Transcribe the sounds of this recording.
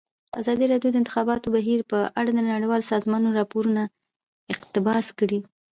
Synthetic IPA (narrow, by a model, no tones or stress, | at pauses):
azɑd̪iɾɑɖjod̪əɪnt̪ɪxɑbɑt̪obaɦiɾpəʔaɽad̪ənaɽijwɑlsɑzmɑnoɾɑpoɾuna | ɪqt̪ɪbɑskəɽi